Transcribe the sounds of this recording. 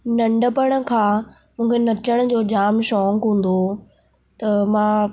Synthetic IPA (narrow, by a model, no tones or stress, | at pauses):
nɐ̃ɳɖəpəɽ̃̆kʰãː | mũːkʰenɐt͡ɕəɽ̃̆d͡ʑoːd͡ʑaːmʃɔːŋkɦũːn̆d̪o | t̪ɐmãː